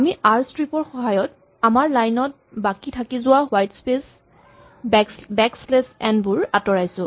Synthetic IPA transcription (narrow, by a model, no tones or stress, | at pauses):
amiʔaɹstɹipɔɹxɔɦajɔt | amaɹlajnɔt̚bakitʰakizʊwaɦwajtspes | bɛkslesɛnbʊɹatɔɹajsʊ̃